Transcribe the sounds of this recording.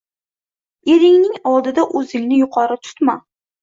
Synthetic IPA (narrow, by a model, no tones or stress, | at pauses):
eɾɪŋnɪŋɒlˠd̪ɪd̪aʔɵzɪŋnɪjʊqʰɒɾɪt̪ʰʊ̥t̪ma